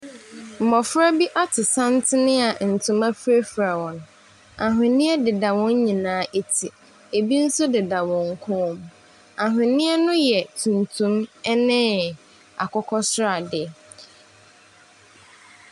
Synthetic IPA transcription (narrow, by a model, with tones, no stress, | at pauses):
m̩˨mɔ˨fɾa˦bi˦ʔa˦tʰɪ˨sã˦n̩˦tʰɪ˦nɪ̃˦a˨n̩˨tʰʊ̃˨ma˦fɾe˦fɾa˨wɔ̃˨n˨ | a˨ɦɪ̃˨nɪ̃˦ɛ˦dɪ˨da˨wɔ̃˦ɲ˦ɲĩ˨nãː˨˦ʔe˦tʰi˨ | e˨bi˦n̩˦sʊ˦dɪ˨da˨wɔ̃˨ŋ̩˦kʰʊ̃˦m | a˨ɦɪ̃˨nɪ̃˦ɛ˦nʊ̃˦jɛ˨tʰũ˨ntʰũ˦mɛ˦nɪ̃˦ | a̰˨kʰɔ˦kʰɔ˦sʊ˦ɾa˨dɪ˨ɛ˨